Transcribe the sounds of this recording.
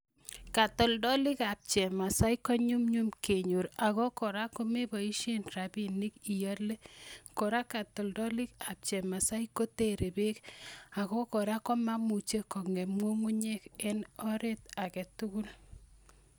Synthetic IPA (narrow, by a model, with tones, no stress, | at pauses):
ka˨tɔ˨ldɔ˦lɪ˦ka˨p̚t͡ʃɛ˨ma˨sa˦ikɔ˦ɲu˦mɲu˦mke˨ɲo˨ɾa˨kɔ˦kɔ˨ɾa˦ko˦me˦bɔ˨i˦ʃe˦nɾa˨bi˦ni˦ki˨jɔ˦le˦kɔ˨ɾa˦ka˨tɔ˨ldɔ˦lɪ˦ka˨p̚t͡ʃɛ˨ma˨sa˦ikːo˦te˦ɾe˨be˦ka˨kɔ˦kɔ˨ɾa˦kɔ˦ma˦mu˨t͡ʃe˦kɔ˨ŋɛ˨ŋo˦ŋu˦ɲe˦ke˦nɔ˦ɾe˦ta˨kɛ˨tu˦ku˦l